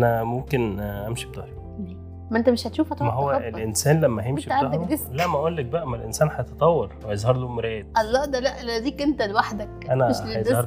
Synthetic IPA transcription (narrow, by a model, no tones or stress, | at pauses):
ʔænæmomkenʔæmʃib̚t̪ɑhɾi | li | mːʔent̪æmeʃhæt̪ʃuːfhæt̪ˤæɦowːæʔelʔensæːnlæmːæhæjemʃib̪aɑd̪d̪eslæʔmæʔolːæk̚bæʔæmælʔensæːnħɑjet̪ɑt̪ˤɑwːɑɾˤwhæjezˤhɑɾˤlumɾæːd̪̚ʔɑlˤːɑːd̪ælæʔlæd̪iːkent̪ælwaħd̪ækʔænæmeʃjehɑɾˤ